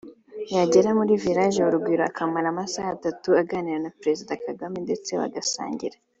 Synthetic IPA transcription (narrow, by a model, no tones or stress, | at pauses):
jaɟe̞ɾamuɾiviɾaʒewoɾubɡwiːɾoakʰamaɾamasahatatuaɡaːniɾanapɾezidakaɡaminde̞t͡se̞βa̰ɡasa̰ːɲɟḭɾa